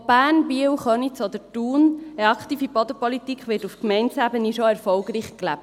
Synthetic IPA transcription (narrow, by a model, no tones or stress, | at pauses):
b̥æːnbiəwχœnit͡sɔd̥̪ətuːnəɑkχt̪iːfibɔd̪əpɔlitikʰχʋɪːtufkmɛɪntsæbəniʃoɛɾfɔlɡɾiːχklæp̚t